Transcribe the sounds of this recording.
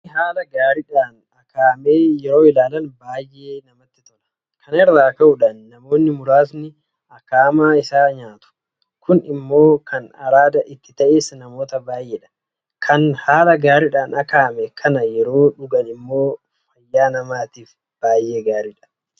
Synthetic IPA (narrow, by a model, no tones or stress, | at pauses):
ɦaːlɐɡaːɾɪᶑaːn | ɐkaːmeːjɛɾo̞ːɪlaːlɐnbaːjʔe̞ːnɐmɐt̪ːɪt̪ɔlɐ̥ | kʰɐnɛrːaːkɐʔʊᶑaːnːɐmo̞ːnːɪmʊɾaːsnɪ | ɐkaːmaːɪsaːɲaːt̪ʊ̥ | kʰʊnɪmːo̞ːkʰɐnɐ̰ɾaːd̪ɐʔɪt̪ːɪt̪ɐʔeːsnɐmo̞ːt̪ɐbaːjʔeːᶑɐ̥ | kʰɐnhaːlɐɡaːɾɪᶑaːnɐkaːmɛkʰɐnɐjɛɾo̞ːᶑʊɡɐnɪmːo̞ː | fɐjːaːnɐmaːt̪iːf | b̥aːjʔe̞ːɡaːɾɪᶑɐ̥